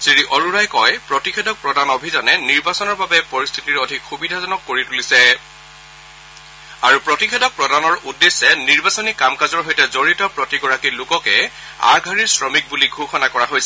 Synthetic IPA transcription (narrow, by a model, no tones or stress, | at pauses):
z̥iɹiʔɔɹuɹajkɔjpɹɔtixʰɛdɔk̚pɹɔdanɔbʱizɔnɛniɹbasɔnɔɹbabɛpoɹist̪ʰitiɹodʱikxubidʱazɔnɔkːoɹitulisɛ | aɹupɹɔtixʰɛdɔk̚pɹɔdanɔɹudːesːɛniɹbasɔnikamkazɔɹɦojtɛzoɹitɔpɹɔtiɡɔɹakilʊkɔkɛ̰ | a̰ɡʱaɹiɹsɹɔmik̚buliɡʱuxɔnakɔɹaɦojsɛ